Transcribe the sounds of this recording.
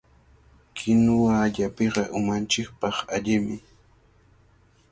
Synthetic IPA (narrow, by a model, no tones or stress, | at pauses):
kʰɪnʊwaːʎapeɢɑʔʊmant͡ʃɪk̚pɑχaʎɪmɪ